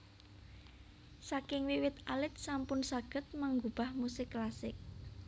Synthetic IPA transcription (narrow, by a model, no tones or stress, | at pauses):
sakɪŋwiwɪt̪alɪt̪̚sampʊnsaɡ̥ə̤t̪̚maŋɡub̥a̤hmusɪkːlasɪk̚